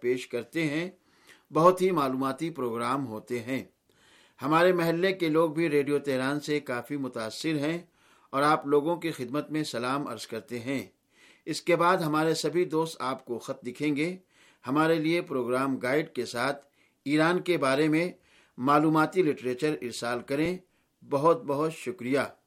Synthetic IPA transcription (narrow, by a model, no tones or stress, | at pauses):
peːʃkɐɾt̪eɦɛ̃ | bɐɦʊt̪ɦimaːluːmaːt̪ipɾoːɡɾaːmɦoːt̪eɦɛ̃ː | hɐmaːɾemɐɦɛlːekeloːɡ̚bʱiɾeːɖijot̪ɛɦɾaːnsekaːfimʊt̪aːsːɪɾɦɛ̃ | ɔːɾaːploːɡõkixɪd̪mət̪mẽsɐlaːmɐ̰ɾzkɐɾt̪eɦɛ̃ː | ɪskebaːd̪ɦɐmaːɾesɐbʱid̪oːst̪aːpkoxɐt̪̚d̪ɪkʰẽːŋɡe | hɐmaːɾeliepɾoːɡɾaːmɡaːɪɖkesaːt̪ʰ | iːɾaːnkebaːɾemẽ | maːluːmaːt̪ilɪʈɾeːt͡ʃəɾɪɾsaːlkɐɾẽ | bɐɦʊt̪̚bɐɦʊt̪ʃʊkɾijaː